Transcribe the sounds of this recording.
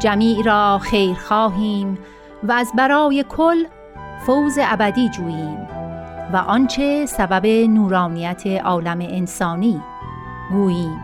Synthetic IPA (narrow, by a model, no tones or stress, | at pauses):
d͡ʒæmiːʔɾɒːxejɾxɒːɦiːm | vææzbæɾɒːjekʰol | fowzeæbæd̪iːd͡ʒuːjiːmvæʔɒnt͡ʃʰe̞sæbæbe̞nuːɾɒːnijæt̪ʰeʔɒːlæmeʔensɒːniː | ɡuːjiːm